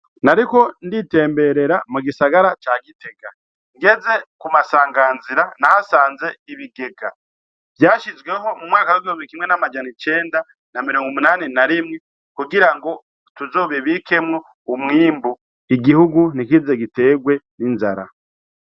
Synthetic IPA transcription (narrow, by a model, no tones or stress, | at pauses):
naɾiko̞ndite̞ːmbe̞ɾe̞ɾamuɡisaɡaɾat͡ʃaːɡite̞ɡa | ŋɡe̞ze̞kumasaːŋɡaːnziɾanahasaːnze̞iβiɡe̞ɡa | v̥jaːʃizɡwe̞ɦo̞mumŋaːkaweɡihumbiikimŋe̞namad͡ʒanit͡ʃe̞ːnda | namiɾo̞ːŋɡumunaːninaɾimŋe | kuɡiɾaŋɡo̞ | tuzo̞ːβiβike̞mŋo | umŋiːmbu | iɡihuɡunikizeɡite̞ːɡwe̞ninza̰ɾa̰